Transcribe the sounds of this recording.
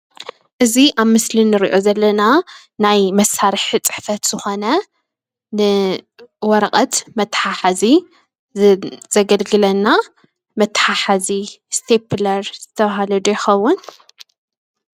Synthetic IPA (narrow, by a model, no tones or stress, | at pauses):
ʔɨziʔaβmɨslinːɨɾḭʔo̞zɐlːɐna | najmɐsaɾɨħt͡sʼɨ̥ħfɐt̪z̥ɨxo̞nɐ | nɨ | wɔɾɐqʼɐt̪mɐt̪ːħaħazi | z̥ɐɡɐlɡɨlɐnːa | mɐt̪ːħaħazist̪ʰepʰlɐɾz̥ɨt̪ʰɐβɦalɐd̪ujɪxɐwːʊn